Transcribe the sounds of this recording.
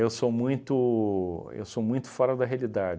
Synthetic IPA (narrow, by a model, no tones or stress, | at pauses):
ewsomũj̃t̪ʊ | ḛwsomũj̃t̪ʊ̥fɔɾɐd̪ɐɦealid̪ad͡ʒ